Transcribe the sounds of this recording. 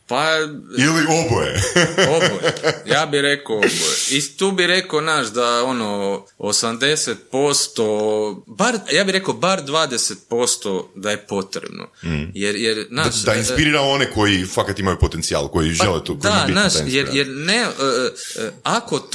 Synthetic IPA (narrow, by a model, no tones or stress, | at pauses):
pailiobojḛobojjaːbiɾe̞koobjeit̪uːbiɾe̞konaːʃd̪ao̞no | osamd̪e̞set̪̚po̞st̪obaɾjaːbiɾe̞kobaɾd̪ʋaːd̪eset̪̚po̞st̪od̪aje̞po̞t̪ɾḛbno̰jeɾjeɾnaʃd̪ainspiɾiːɾaoneko̞jifakat̪imajupot̪ent̪sia̰ːlˠkojiʒelet̪od̪ainaːʃjeɾjeɾneə | ako